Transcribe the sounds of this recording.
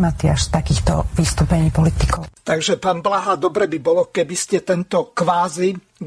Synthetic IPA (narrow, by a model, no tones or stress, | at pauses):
mat̪iaʃt̪akiːxt̪ɔʋist̪uːpɛɲiːpɔlit̪ikɔʊt̪aɡʒɛpaːnblaɦad̪ɔbɾɛbibɔlɔkɛbiscɛt̪ɛnt̪ɔkʋaːzi